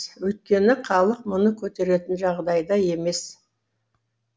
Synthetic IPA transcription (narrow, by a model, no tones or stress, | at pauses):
wɵjt̪̚kʲe̞nɪqʰɑlˠəq̚mʊnəkʲʰɵt̪e̞ɾe̞t̪ɪnʒɑʁd̪ɑjd̪ɑje̞me̞s